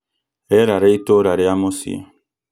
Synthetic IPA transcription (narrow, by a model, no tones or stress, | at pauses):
ɛɾaɾeitoɾaɾeamosḭa̰